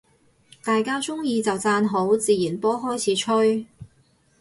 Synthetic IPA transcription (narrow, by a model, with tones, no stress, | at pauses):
t̪aː˨jkaː˥t͡sʊ˥ŋjiː˧t͡sɐ˨wt͡saː˧nɦo˨˥wt͡siː˨jiː˨˩npɔː˥ɦɔː˥jt͡sʰiː˨˥t͡ʃʰɵ˥ɥ